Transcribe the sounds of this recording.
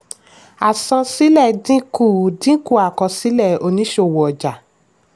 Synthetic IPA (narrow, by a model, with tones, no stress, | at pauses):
a˨sɔ̃˧si˦lɛ˦˨dĩ˦ku˦˨dĩ˦ku˦˨a˨kɔ˧si˦lɛ˦˨o˧nĩ˨˦ʃo˧˨wɔ˨ɔ˨d͡ʒa˨